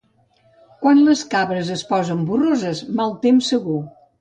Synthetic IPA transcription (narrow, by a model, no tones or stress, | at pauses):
kwanləskaβɾəzəspɔzəmburozəzmalˠt̪emsːəɣu